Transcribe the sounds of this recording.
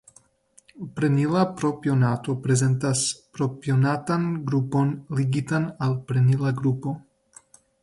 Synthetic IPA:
pɾenilapɾopjonato̞pɾe̞ze̞ntaspɾo̞pjonatanɡɾupo̞nliɡitanalpɾenilaɡɾupo̞

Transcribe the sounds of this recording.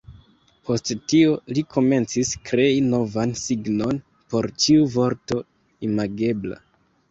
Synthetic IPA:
pʰo̞sttio̞likʰo̞me̞nt͡siskɾe̞ino̞vansiɡno̞n | po̞ɾt͡ʃiuvo̞ɾto̞ | imaɡe̞bla̰

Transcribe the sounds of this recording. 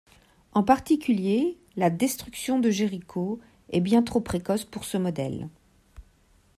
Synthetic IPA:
ɑ̃paʁt̪ikʲylje | lad̪ɛst̪χyksjɔ̃d̪əʒeʁikʰo | ɛbjɛ̃t̪χopχekɔspuʁsəmɔd̪ɛ̰l

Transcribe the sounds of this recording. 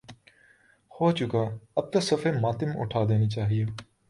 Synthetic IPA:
hoːt͡ʃʊkaːɐb̚t̪osəfeːmaːt̪ɪmʊ̰ʈʰaːd̪eːnit͡ʃaːɦieː

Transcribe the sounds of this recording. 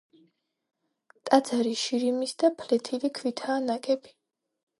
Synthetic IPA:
t̪ʼad̪zaɾiʃiɾimisd̪apʰlɛt̪ʰilikʰvwit̪ʰaːnakʼɛbi̥

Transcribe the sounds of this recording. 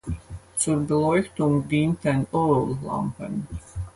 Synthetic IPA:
suɾbilˠɔjxt̪uŋɡd̪int̪ænʲɔɾulˠlˠɑ̰mpɛ̰nʲ

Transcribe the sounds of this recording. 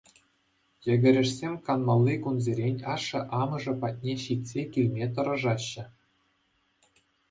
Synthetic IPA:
jɘ̆ɡʲɘ̆ɾʲɘ̆ʂsʲemʲkɑnmɑlʲˠːikunzʲeɾʲenʲɑʂɤ̆ʔɑmɤ̆ʐɤ̆pɑt̚ʲnʲeɕit̪ʲsʲekʲilʲmʲet̪̬ɤ̆ɾɤ̆ʐɑɕːɘ̆

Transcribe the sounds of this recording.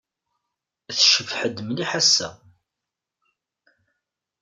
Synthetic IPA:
θʃəfħəd̪mliħasːæ̰

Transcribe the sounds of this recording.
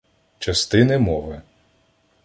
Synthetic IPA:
t͡ʃɐst̪ɪnɪmɔʋɪ

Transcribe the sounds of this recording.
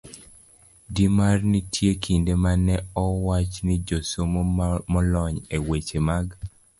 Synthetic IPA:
dimarnɪtʰjekʰindemanɛɔwat͡ʃnɪd͡ʒosomomɔlɔɲewet͡ʃemaɡ

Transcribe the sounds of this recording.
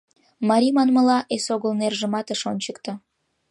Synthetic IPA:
mɑɾʲimɑnməlɑʔesoɣəlnerʒəmɑt̪əʃonʲt͡ɕəkt̪ə̆

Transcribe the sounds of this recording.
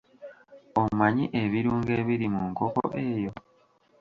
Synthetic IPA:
omaɲiʔeβiɾuːŋɡe̞ːβiɾimuŋkoko̰ʔe̞ːjo̞

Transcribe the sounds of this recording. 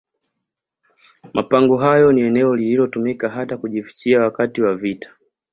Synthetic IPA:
mʔapaŋɡɔɦajɔniɛnɛɔlililɔtumikaɦatakuʄifi̥t͡ʃiawakatiwavitḁ

